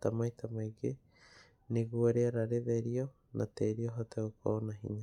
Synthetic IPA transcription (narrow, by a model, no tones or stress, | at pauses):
tamaitamaiɡe | neɣwoɾeaɾaɾeðeɾio | nʔateɾioɦoteoko̰naɦḭɲa